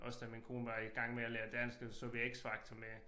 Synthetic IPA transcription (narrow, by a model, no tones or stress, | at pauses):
ʔɒ̽sd̥æminkʰo̝̰ːnʋɑ̈iɡ̥ɑ̈ŋ̰meæleːɐd̥æn̰sɡ̥əsoʋieɡ̥sfɑ̈ɡ̥t͡sʰɒme